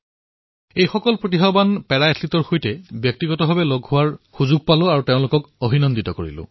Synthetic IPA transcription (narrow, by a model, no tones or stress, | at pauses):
ejxɔkɔlpɹotiɦabanpɛɹaatʰlitɔɹxojtɛbjɔk̚tiɡɔtɔbʱabɛloɡɦʊwaɹxuzuɡ̚palʊ̃aɹuteʊ̃lʊkɔkobʱinɔnditɔkoɹḭlʊ̰̃